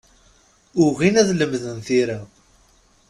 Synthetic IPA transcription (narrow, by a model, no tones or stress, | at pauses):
ʊʁinæðləmðənθiɾa